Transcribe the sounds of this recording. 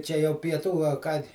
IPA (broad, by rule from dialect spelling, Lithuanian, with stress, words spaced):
ˈt͡ʃʲɛ jɛʊ pʲiɛˈtuː ɐ ˈkɑː